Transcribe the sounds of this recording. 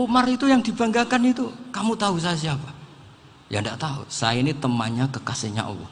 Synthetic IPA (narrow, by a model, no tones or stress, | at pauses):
omarit̪ujaŋdib̥aŋɡakanit̪ukamut̪aus̬ajas̬iapa | jandaʔt̪aṵsa̰jainit̪əmaɲakəkaseɲa̰ʔɔ̰lɔ̰h